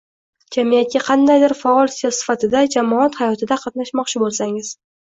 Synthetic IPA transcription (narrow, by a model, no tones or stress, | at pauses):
d͡ʒʰamijat̪̚kʲaqʰɑnd̪ajd̪ɪɾfaɒlˠsijɒsɪ̥fat̪ʰɪd̪ad͡ʒamɒat̪hajɒt̪ʰɪd̪aqʰɑt̪naʃmɒqt͡ʃʰɪbolˠsaŋɪz̥